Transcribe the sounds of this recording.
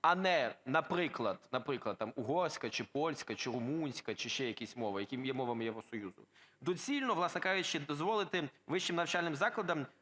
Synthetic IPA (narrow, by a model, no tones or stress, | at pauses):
ɐnɛnɐpɾɪklˠɐd̪̥nɐpɾɪklˠɐd̪̚t̪amʊɦɔrsʲkɐt͡ʃɪpɔlʲsʲkɐt͡ʃɪɾʊmunʲsʲkɐt͡ʃɪʃt͡ʃɛjɐkʲisʲmɔʋɪjɐkʲɪmjɛmɔʋɐmɪjeʋɾɔsɔjuzʊ̰d̪ɔt͡sʲilʲnɔʋlˠɑsnɛkaʒɪʃt͡ʃɛd̪ɔzʋɔlˠɪt̪ɪʋɪʃt͡ʃɪmnɐwt͡ʃɑlʲnɪmzɑklˠɐd̪ɐm